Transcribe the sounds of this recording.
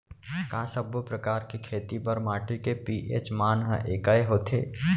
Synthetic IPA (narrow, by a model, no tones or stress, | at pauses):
kãːsɐbpɾɐkaːɾkikʰeːt̪ipɐɾmaːʈikepiːʔḛːt͡ʃmaːnɦəʔeːkaeɦoːt̪ʰḛː